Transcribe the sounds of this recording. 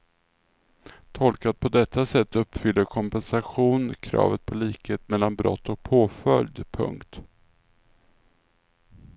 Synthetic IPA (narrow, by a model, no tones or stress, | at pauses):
t̪ʰɔlkat̪̚pʰɔd̪ɛt̪ʰːasɛt̪ʰːɵpːfʏlːəɾkʰɔmpɛnsaɧuːnkʰɾɑ̰ːvət̪̚pʰɔliːkheːt̪mɛlːanbɾɔ̰t̪ːɔk̚pʰoːfœljd̪pʰɵ̰ŋkt̪